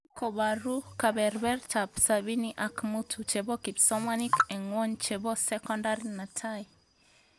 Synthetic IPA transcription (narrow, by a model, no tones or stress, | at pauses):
kobaɾukabɛɾbɛrt͡ʃapsabiniʔakmutʰut͡ʃebokipsɔmanikɛŋwoɲt͡ʃebosɛkɔndaɾinatʰai